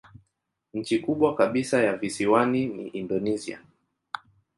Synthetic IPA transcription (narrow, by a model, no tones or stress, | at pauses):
ɲ̩t͡ʃikuɓwakaɓisajavisiwaninḭʔindɔnizia̰